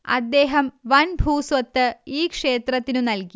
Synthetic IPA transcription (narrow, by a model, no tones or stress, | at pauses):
ɐ̰d̪ːe̞ːɦɐmʋɐnbʱuːsʋɐt̪ːɨiːkʂe̞ːt̪rɐt̪ːinunɐlki